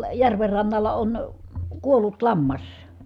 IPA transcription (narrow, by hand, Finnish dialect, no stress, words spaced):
jærʋer rɑnːɑlːɑ on kuolːut lɑmːɑs